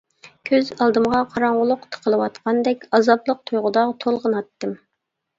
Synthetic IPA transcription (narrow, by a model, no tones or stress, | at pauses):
kʲʰøzɑlˠd̪ɨmʁɑqʰɑɾɑɴʁʊlˠʊqt̪ʰə̥qʰəlˠəwɑt̪qʰɑnd̪ɛkʲɑzɑblˠəq̚t̪ʰujʁʊd̪ɑʁt̪ʰolˠʁənɑt̪ːɨm